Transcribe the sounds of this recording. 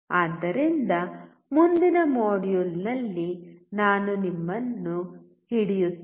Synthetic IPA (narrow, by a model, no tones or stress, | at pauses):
aːd̪ːɐɾind̪ɐ | mund̪inɐmoːɽjulnɐlːinaːnunimːɐnːu | hiɽijut̪ː